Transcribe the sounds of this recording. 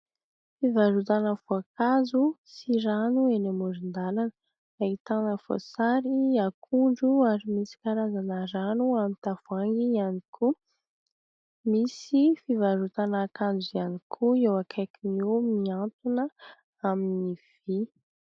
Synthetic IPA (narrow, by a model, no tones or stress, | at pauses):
fivaɾut̪anəfoakazusiɾanuenamuɾind̪alanə | ait̪anəv̥o̰saɾiakʰuɳɖ͡ʐuaɾimisi̥kaɾazanəɾanuamint̪av̥aŋɡianikʰu | misifivaɾut̪anakand͡ʒuianikʰuewakʰakinomiant̪unə | aminiv̥i